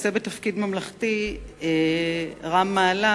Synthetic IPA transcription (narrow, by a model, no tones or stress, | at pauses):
sebetafkidmamlaχtie | ʁamːaːla